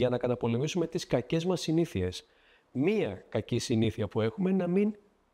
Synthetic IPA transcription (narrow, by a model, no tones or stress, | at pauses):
ɐnɐkɐt̪ɐpo̞le̞misume̞t̪iskɐce̞zmɐsiniθie̞s | miɐkɐcisiniθiɐpue̞xume̞nɐmin